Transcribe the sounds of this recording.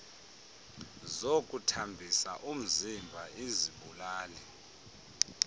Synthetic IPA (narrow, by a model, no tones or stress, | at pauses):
zokʼutʰambʱisa̰ʔum̩zimbʱaʔiziɓulaːlɛ